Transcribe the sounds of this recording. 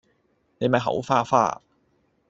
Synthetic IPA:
ne˨˧jmɐ˨jɦɐ̰˨˥wfaː˥fa̰ː˥

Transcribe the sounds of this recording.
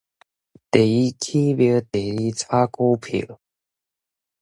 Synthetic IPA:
t̪e˨˩i˦kʰi˦bjə˧˦t̪e˨˩i˧˦t͡sʰa˦ko˦pʰə̰˨˩˦

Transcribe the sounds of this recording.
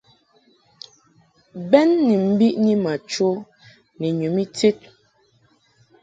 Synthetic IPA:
bɛ˦nːi˨m̩˦bi˦ʔɲi˦ma˨t͡ʃo˦ | ne˨ɲu˨mi˦t͡se˦t̚

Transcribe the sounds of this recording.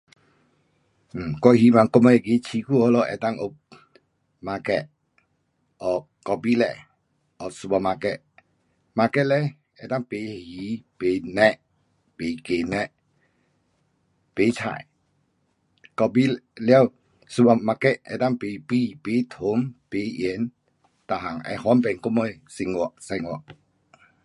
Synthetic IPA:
kɔ˧ɦi˨˦mã˨ŋkɔ˧mɔ˧jɛ˨ɡe˨t͡ʃʰi˧˦ku˦˨hɔ˦lɔ˧ʔɛ̰˧˨t̪a˦ŋʔo˧ | ma˧kɛ˧ʔ̚ | ʔɔ˨ | kɔ˧bi˦lɛ̰˧˨ | ɔ˨su˧ba˧ma˧kɛ˧ʔ̚ | ma˧kɛ˦ʔ̚lɛ˦ | ɛ˨t̪a˦ŋpe˨hi˨˦pe˨nɛ̃˦˧ʔ | pe˨ke˨nɛ˦˧ʔ | pe˨˦tʰa̰˨j | kɔ˧bi˦la˧˨w | su˧ba˧ma˧kɛ˦˧ʔ̚ʔɛ̰˧˨t̪a˦˨ŋpe˨pi˧˨pe˨˦t̪ʰo˨˦mpe˨˦ʔɛ˧˨˦n | t̪a˨ɦa˨ŋʔɛ̰˧hɔ˦npɛ˨ŋku˦mɔ˧˨jsi˧˨ŋɔ˧˨ʔsa˧ŋɔ˨ʔ

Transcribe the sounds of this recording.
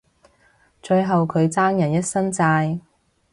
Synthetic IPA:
t͡ʃɵ˧ɥɦɐ˨wkʰɵ˨˧ɥt͡saː˥ŋjɐ˨˩njɐ˥t̚sɐ˥nt͡saː˧j

